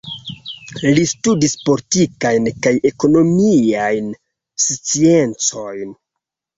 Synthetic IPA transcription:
listudispo̞litikajnkaje̞ko̞no̞miajn | sit͡sie̞nt͡so̞jn

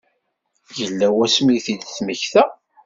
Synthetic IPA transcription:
jəlːæwæsmiθid̪θməçθæ

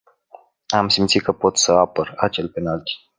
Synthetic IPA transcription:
amsimt̪sit̪kəpo̞t̪səapərat͡ʃe̞lpe̞nalt̪i̥

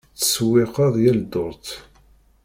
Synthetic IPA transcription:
t͡sːə̥swɪqɑðˤjæld̪ʊɾˤt̪

